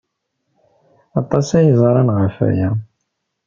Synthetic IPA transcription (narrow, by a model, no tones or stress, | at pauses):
ɑt̪ˤːɑsæjəzˤɑɾˤɑnʁəfæ̰jæ